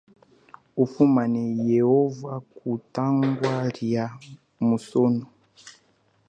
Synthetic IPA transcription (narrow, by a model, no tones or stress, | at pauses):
ufumanɛjehɔvakutaŋɡwaɾja | musonɔ